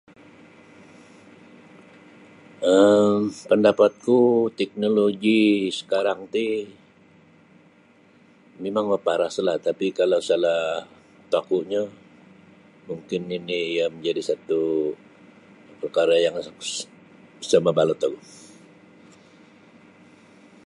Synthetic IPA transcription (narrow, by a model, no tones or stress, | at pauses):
əmpəndapat̪̚kut̪ɛk̚noloɡisə̥kaɾaŋt̪i | memaŋməpaɾasəlaht̪apikalawsalah | t̪akuʔɲa | muŋkɪniniijaməɲd͡ʒadisat̪u | pərkaɾajaŋ | samabalat̪aɡu